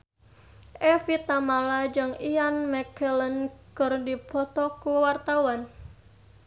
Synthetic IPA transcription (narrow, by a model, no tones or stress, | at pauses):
ʔefit̪amalad͡ʒɨŋijanmɛkɛlənɡ̥ərdipʰɔt̪ɔkuwart̪awan